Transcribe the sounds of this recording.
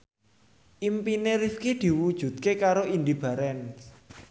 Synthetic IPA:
ʔimpineɾifkid̪̥i̤wud̥ʒ̥ṳt̪̚kekaɾoind̪ib̥ä̤ɾɛn

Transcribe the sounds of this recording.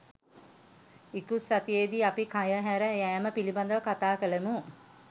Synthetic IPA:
ikusːat̪ijeːd̪iːapikajəɦæɾəæːməpiliband̪əʋɐkat̪aːkəlemu

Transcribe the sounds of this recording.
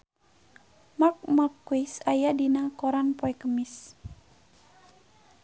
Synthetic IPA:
mak̚makːuisajadinakɔɾanpɔɛkəmis

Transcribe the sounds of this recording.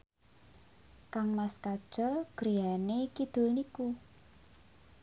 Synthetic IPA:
kaŋmaskad̥ʒ̥ɔ̤ɡ̥ɾianekid̪̥ʊ̤lniku

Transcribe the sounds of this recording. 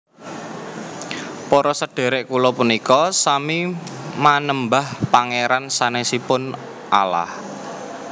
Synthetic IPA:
pɔɾɔsəɖ̥e̤ɾeʔkulɔpunikɔsamimanəmbahpaŋeɾansanesipʊn | ʔala̰h

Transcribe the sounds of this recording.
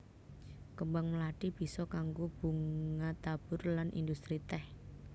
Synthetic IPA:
kəmbaŋməlaʈib̥i̤sɔkaŋɡob̥uŋat̪ab̥ʊrlanʔḭndust̪ɾit̪ɛh

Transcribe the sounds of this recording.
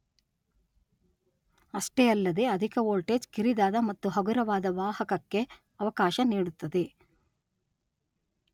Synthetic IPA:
ɐʂʈejɐlːɐd̪e̞ɐd̪ʱikɐoːlʈeːd͡ʒkiɾid̪aːd̪ɐmɐt̪ːuɦɐɡuɾɐʋaːd̪ɐʋaːhɐkɐkːe̞ | ɐʋɐkaːʃɐniːɽut̪ːɐd̪e̞

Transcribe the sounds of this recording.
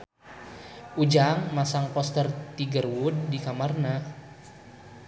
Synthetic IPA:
ʔud͡ʒaŋmasaŋpɔst̪ərt̪iɡərwud̚dikamarna

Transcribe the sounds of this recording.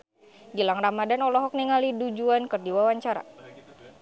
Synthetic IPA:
ɡilaŋramadanɔlɔɦɔk̚niŋalidud͡ʒuankɨrdiwawaɲt͡ʃaɾa̰

